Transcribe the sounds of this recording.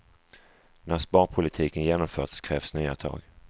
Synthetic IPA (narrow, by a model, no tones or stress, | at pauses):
næɾspɑːɾpʰʊlɪt̪ʰiːkənjeːnɔmfœːʈskʰɾɛːvsnyːat̪ʰɑ̰ːɡ